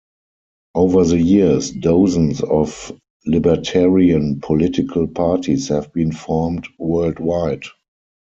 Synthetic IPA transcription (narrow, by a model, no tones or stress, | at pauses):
ʔoʊvə˞ðəjisdoʊzə̃nsɔf | lɪbətʰɛɹiə̃npʰɔlɪtɪkʰəlpʰaːtʰishɛvbĩːnfɔːmtwɜ˞ldwaɪd